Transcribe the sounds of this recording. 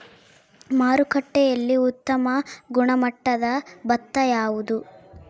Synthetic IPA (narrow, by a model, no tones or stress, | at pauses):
maːɾukɐʈːɛjɐlːiut̪ːɐmɐɡuɳɐmɐʈːɐd̪ɐbɐt̪ːɐjaːʋud̪u